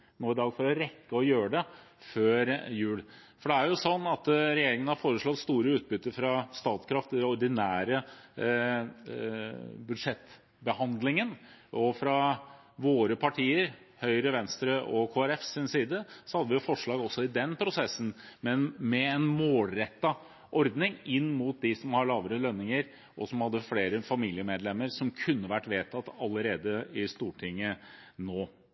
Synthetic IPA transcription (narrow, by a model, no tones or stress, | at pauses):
noːɪd̪ɑːɡfɔɾəɾɛkːəɔjøːəɖɛ | føːɾjʉːlfɔɖɛæɾjʊsɔnːɑt̪ɾɛjeːɾɪŋən̩hɑɾfoːɾəʂɭɔt̪st̪uːɾəʉːt̪̚bʏt̪ːəɾfɾɑst̪ɑːt̪skʰɾɑft̪ɪd̪ɛɔɾɖ̪ɪnæːɾə | bʉd̪ʂɛt̪ː | bəhɑnd̪lɪŋənʔɔfɾɑ | ʋoːɾəpʰɑʈʰiːəɾ | hœʏɾəʋɛnst̪ɾəʔɔkʰoːæɾɛfsɪnsiːd̪əsɔhɑd̪ːəʋɪjʊfɔʂɭɑːɡɔsːɔɪd̪ɛnpʰɾʊsɛsːn̩mɛnmɛɛnmoːlɾɛt̪ːɑ | ʔɔɾd̪nɪŋɪnːmuːt̪̚d̪ɪsɔmhɑɭɑːʋəɾəlœnːɪŋəɾ | ʔɔsɔmhɑd̪ːəfleːɾəfɑmiːlɪəmeːd̪lɛmːəɾsɔmkʰʉnːəʋæʈːʋeːt̪ʰɑt̪ːɑlːəɾeːd̪əɪst̪uːʈʰɪŋːənoː